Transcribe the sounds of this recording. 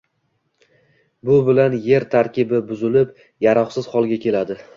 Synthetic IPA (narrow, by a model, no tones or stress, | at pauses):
bʊbɪlanje̞ɾt̪ʰaɾkʲɪbɪbʊzɪlɪp | jaɾɒχsɪz̥χɒlˠɡʲakʲʰe̞lad̪ɪ